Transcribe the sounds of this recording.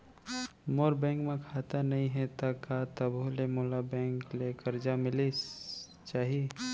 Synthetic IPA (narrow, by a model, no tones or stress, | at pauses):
moːɾbɛ̃ːŋkmẽkʰaːt̪anɐɦĩɦɛt̪akat̪əbʱulemoːlabɛ̃ːŋklekəɾd͡ʒamɪli | t͡ʃaːɦie